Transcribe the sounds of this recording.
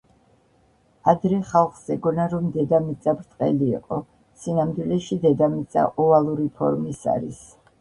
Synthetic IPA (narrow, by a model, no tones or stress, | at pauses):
ad̪ɾɛχalˠχz̥ɛɡɔnaɾɔmd̪ɛd̪amit̪sʼabɾt̪ʼqʼɛ̰lḭːqʼɔ | sinamd̪wilɛʃid̪ɛd̪amit̪sʼa̰ʔɔvalˠuɾipʰɔ̰ɾmisa̰ɾḭs